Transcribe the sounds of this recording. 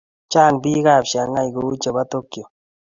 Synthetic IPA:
t͡ʃa˦˨ŋbi˦ka˦˨pʃa˨ŋa˦jɡo˨u˦t͡ʃe˨ba˦t̪o˦kjo˨

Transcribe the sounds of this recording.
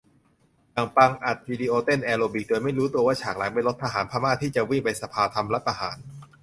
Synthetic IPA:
jaː˨˩ŋpa˧ŋʔa˨˩t̪̚wiː˧diː˧ʔoː˧t̪e˥˩nʔɛː˧loː˧bi˨˩k̚doː˧jma˥˩jɾuː˦˥t̪u˧ɐwaː˥˩t͡ɕʰaː˨˩k̚la˩˦pa˧jlo˦˥t̪ʰːa˧ɦaː˩˦npʰaː˧maː˥˩t̪ʰːiː˥˩t͡ɕa˨˩wi˥˩ŋpa˧jsa˧pʰaː˧t̪ʰa˧mlɛ˦˥t̪ʰa˧ɦa̰ː˩˦n

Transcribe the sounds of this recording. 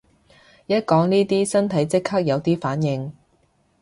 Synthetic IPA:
jɐ˥t̚kɔː˨˥ŋniː˥t̪iː˥sɐ˥nt̪ʰɐ˨˥jt͡sɪ˥kʰhaː˥k̚jɐ˨˧wt̪iː˥faː˨˥njɪ˨ŋ

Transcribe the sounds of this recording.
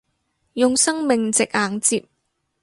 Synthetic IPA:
jʊ˨ŋsɐ˥ŋmɪ˨ŋt͡sɪ˨k̚aː˨˥ŋt͡siː˧˨p̚

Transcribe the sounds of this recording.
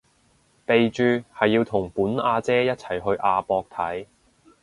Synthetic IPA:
pe˨jt͡ʃyː˨˧hɐ˨jːiː˧wt̪ʰʊ˨˩ŋpuː˨˥nʔaː˧t͡sɛː˥jɐ˥t̚t͡sʰɐ˨˩jɦɵ˧ɥʔaː˧pɔː˧k̚t̪ʰɐ˨˥j

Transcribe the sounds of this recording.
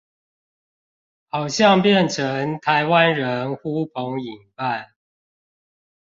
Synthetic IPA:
xɑ˨˩ʊɕjɑ˥˨ŋpjɛ˥˨nʈ͡ʂʰə˨˦ŋt̪ʰa˨˦ɪwa˦nɻə˨˦nxu˦pʰo˨˦ŋi˨˩ŋpa˥˨˩n

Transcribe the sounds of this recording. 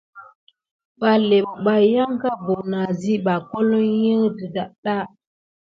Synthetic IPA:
ba˨le˨ɓba˨ja˦ŋka˦bo˨na˨zi˦ba˨ko˦lo˦ji˦ŋ˦dɨ˨da˨ɗa˦

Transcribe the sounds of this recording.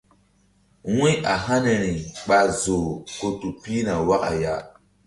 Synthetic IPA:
wĩ˦a˨ɦa˦ne˨ɾi˨ɓa˨zo˨ko˦tu˨pi˦na˨wa˦ka̰˨ja˦

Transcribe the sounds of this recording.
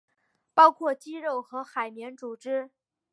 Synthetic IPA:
pɑ˥ʊkʰwɔ˥˩t͡ɕi˥ɻo˥˩ʊxɤ˧˥xa˨˩ɪmjɛ˧˥nt͡su˨˩ʈ͡ʂɻ̩˥

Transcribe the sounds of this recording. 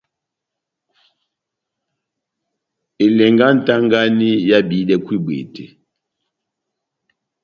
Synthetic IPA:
e˨lɛ˨ŋɡa˦n̩˨ta˦ŋɡa˦ni˦ja˦bi˨˦ɗɛ˦kwi˦˨bḛ˨tḛ˨

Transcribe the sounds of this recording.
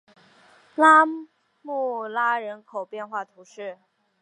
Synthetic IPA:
la˥ | mu˥˩la˥ɻə˧˥nkʰo˨˩ʊpjɛ˥˧nxwa˥˩t̪ʰu˧˥ʂɻ̩˥˩

